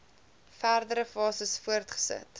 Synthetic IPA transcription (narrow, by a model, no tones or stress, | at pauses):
færdəɾəfɑːsəsfuərtχə̥sə̰t